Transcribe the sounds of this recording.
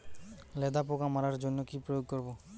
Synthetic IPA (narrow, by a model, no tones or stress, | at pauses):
lɛd̪apokamaɾaɾd͡ʒonjokipɾɔjoːɡ̚kɔɾboː